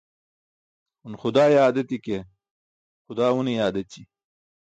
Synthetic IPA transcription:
unxʊd̪aːjaːd̪ɐt̪ike | xʊd̪aːwunijaːd̪ɐt͡ɕi

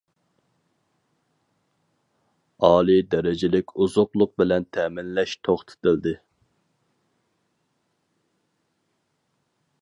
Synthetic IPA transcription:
ɑːlˠid̪ɛɾɪd͡ʒɪlɪkʲuzʊqlˠʊq̚bɪlɛnt̪ʰɛmɪnlɛʃt̪ʰoχt̪ʰɪ̥t̪ɪld̪ɪ

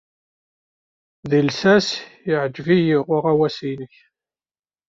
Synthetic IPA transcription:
ðilsæsjɪʕəd͡ʒvijiʁʊʁæwæsinəç

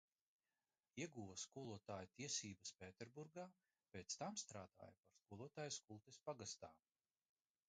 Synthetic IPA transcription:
iɛɡuːvaskuɔlˠuɔt̪aːjut̪iɛsiːbɐspʲeːt̪ʲeɾbuɾɡaː | pʲeːt̪st̪amst̪ɾaːd̪̥a̰ːjapaɾskuɔlˠuɔt̪aːjskulˠt̪espaɡast̪aː

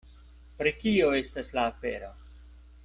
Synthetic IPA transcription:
pɾikioestaslaːpeɾo̰

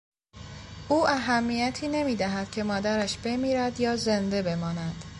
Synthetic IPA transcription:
ʔuːʔæɦæmːiːjæt̪ʰiːne̞miːd̪æɦæd̪̥̚cʲʰe̞mɒːd̪æɾæʃb̥e̞miːɾæd̪jɒːze̞nd̪e̞be̞mɒːnæd̪̥

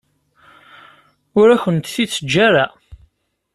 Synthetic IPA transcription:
ʊɾæçənt̪θiːəd͡ʒːaɾa

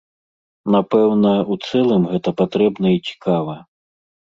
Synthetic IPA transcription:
napɛwnɐut̪sɛlˠɨmɣɛt̪ɐpat̪ɾɛbnɐit͡sʲi̥kavɐ

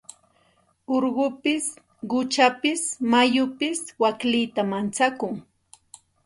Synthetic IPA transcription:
oɾɢʊpɪs | ɢʊt͡ʃapɪsmajʊpɪswaklɪt̪amant͡sakʊŋ

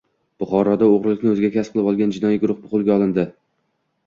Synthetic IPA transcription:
b̥ʊχɒɾɒd̪aoʁɾɪlˠɪkʲnɪɵzɪɡʲakʲasqʰɨlˠɪpɒlˠɡʲand͡ʒɪnɒjiɡʊɾʊχbʊqʊlˠɡʲaɒlˠɪnd̪ɪ

